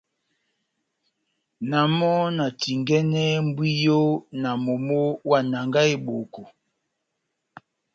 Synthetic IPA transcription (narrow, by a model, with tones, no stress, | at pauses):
na˨mɔ˦na˨ti˨ŋɡɛ˦nɛ˦m˦bwi˦jo˦na˨mo˨mo˦wa˦˨na˨ŋɡa˦e˦ɓo˨ko˨